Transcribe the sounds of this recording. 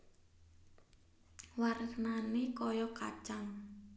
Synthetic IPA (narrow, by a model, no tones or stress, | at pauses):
warəknanekɔjɔka̰t͡ʃaŋ